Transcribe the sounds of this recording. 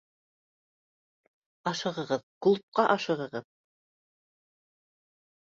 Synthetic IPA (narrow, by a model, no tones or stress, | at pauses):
ɑʃɤ̆ʁɤ̆ʁɤðkulˠp̚qɑʔɑʃɤ̆ʁɤ̆ʁɤð